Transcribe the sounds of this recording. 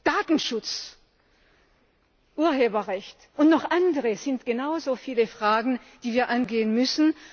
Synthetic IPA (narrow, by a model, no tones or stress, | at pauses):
d̥aːtn̩ʃʊt͡s | ʔuːɐɦeːbɐʁɛçtʔʊntnɔχʔandəʁəz̥ɪntɡ̥enaʊzoːfiːləfʁ̥aːɡŋ̩ | d̥iːviːɐʔanɡeːənmʏsn̩